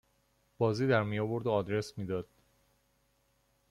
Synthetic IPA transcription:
b̥ɒːziːd̪æɾmijɒbo̞ɾd̪oɒːd̪ɾe̞smiːd̪ɒːd̪̥

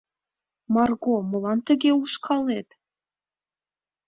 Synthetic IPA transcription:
mɑrɣomolɑnt̪ə̆ɣeuʃkʰɑlet̪

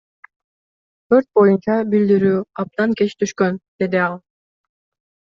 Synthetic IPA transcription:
t̪ʰø̞ɾt̪̚bo̞junt͡ʃɑbild̪iɾyːɑp̚t̪ɑŋke̞t͡ʃt̪ʰyʃkø̞nd̪̥e̞d̪iɑlˠ

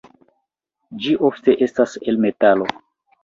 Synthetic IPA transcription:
d͡ʒiʔo̞fte̞ʔe̞staselme̞talo

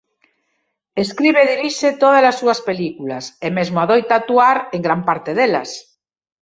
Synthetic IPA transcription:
eskɾiβeðiɾiʃet̪oð̞azlasːuɐspelikulasemezmoaðojt̪at̪uaɾeŋɡɾampaɾt̪eðela̰s

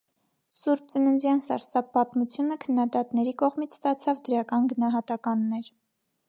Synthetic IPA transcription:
suɾb̚t͡sənənd͡zjɑnsɑ̰ɾsɑpːɑt̪mut͡sʰjunəkʰənːɑd̪ɑt̪nɛɾikɔʁmit͡sʰst̪ɑt͡sʰɑvd̪əɾɑkɑnɡənɑɦɑt̪ɑkɑnːɛɾ

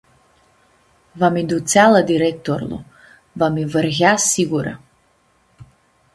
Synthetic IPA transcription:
vamid̪ut̪sʲalˠad̪iɾɛk̚t̪ɔɾlˠɔ̰ | vamivərɣasiɡuɾa̰

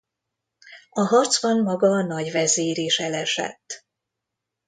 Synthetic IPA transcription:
ɒɦɒrt̪zbɒnmɒɡɒnɒɟvɛzeːɾeːʃɛlɛʃɛ̰t̪ː

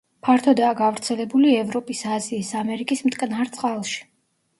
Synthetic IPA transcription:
pʰaɾt̪ʰɔd̪aːɡavɾt̪sʰɛlɛbuliɛvɾɔpʼisaziːsamɛɾikʼismt̪ʼkʼnaɾt̪sʼqʼalˠʃi̥

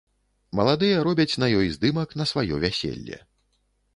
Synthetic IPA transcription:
mɐlˠad̪ɨjɐɾɔbʲɐt͡sʲnɐjɔjzd̪ɨmɐknɐsvajɔ̰vʲasʲḛlʲːɛ̰

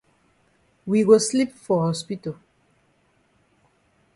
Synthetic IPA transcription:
wiwɔslipfɔhɔspito

